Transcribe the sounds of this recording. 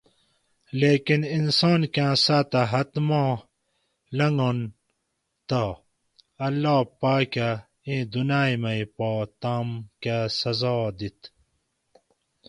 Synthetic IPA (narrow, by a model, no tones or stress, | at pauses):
leːkininsoːnkãːsat̪ɐɦɐt̪mãː | lɐŋɡon | t̪a | ɐlːaːpaːka | ĩd̪unaːjmɐipoːt̪aːmkasɐzɑːd̪it̪